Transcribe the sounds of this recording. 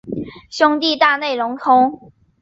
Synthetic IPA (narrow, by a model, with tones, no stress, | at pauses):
ɕjʊ˥ŋt̪i˥˧t̪a˥˧ne˥˩ɪɻʊ˧˥ŋt̪ʰʊ˥ŋ